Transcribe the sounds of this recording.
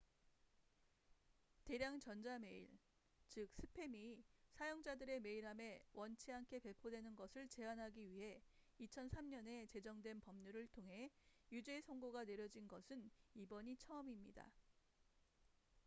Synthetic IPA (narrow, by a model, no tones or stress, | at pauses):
te̞ɾjaŋt͡ɕʌnd͡ʑame̞ḭɭ | t͡ɕɯk̚s͈ʰɯpʰe̞misʰajoŋd͡ʑadɯɾe̞me̞iɾɦame̞wʌnt͡ɕʰiɦankʰe̞pe̞pʰodwe̞nɯnɡʌsʰɯɭt͡ɕe̞anɦaɡiɥiɦe̞it͡ɕʰʌnsʰamɲʌne̞t͡ɕe̞d͡ʑʌŋdwe̞npʌmɲuɾɯɭtʰoŋɦe̞jud͡ʑeːsʰʌŋɡoɡane̞ɾjʌd͡ʑinɡʌsʰɯnibʌɲit͡ɕʰʌʌmimɲida̰